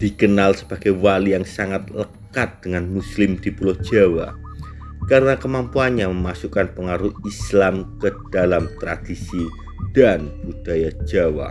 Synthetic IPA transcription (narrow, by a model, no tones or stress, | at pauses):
d̪̥ikənalsəb̥aɡ̥ajwalijaŋsaŋat̪̚ləkat̪̚d̥əŋanmuslɪmd̪̥ipulɔhʒ̥awa̰ | kaɾənakəmampuanɲaməmasukanpəŋaɾuhislamkəd̥alamt̪ɾad̥isi | d̥anbud̥ajḁd͡ʒawa̰